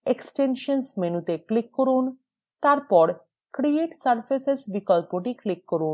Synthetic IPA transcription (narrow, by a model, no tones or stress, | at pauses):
eksʈenʃənsmenut̪eklikːɔɾuːn | t̪aɾpɔɽ | kɾieʈsəɾfesesbikɔlpoʈiklikːɔɾuːn